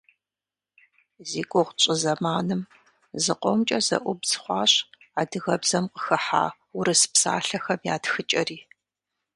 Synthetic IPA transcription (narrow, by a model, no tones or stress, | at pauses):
ziːkʷʼɔʁʷt͡ʃʼɨzɐmaːnɨm | zɨqʷɔmt͡ʃʼɐzɐ̰ʔʷʊbz̥ɨχʷɑːɕ | aːdɨɣɐbzɐmqə̥xɨħa̰ː | ʊɾɨsɨ̥psa̰ːɬɐxɐmjaːtxɨt͡ʃʼɐriː